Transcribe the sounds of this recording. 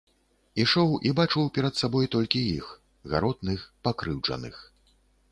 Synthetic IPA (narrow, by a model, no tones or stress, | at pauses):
iʂɔwʔibat͡ʂɨwpʲɛɾɐt̪sabɔjt̪ɔlʲkʲijix | ɣa̰ɾɔd̪nɨxpakɾɨwt͡ʂɐ̰nɨ̰x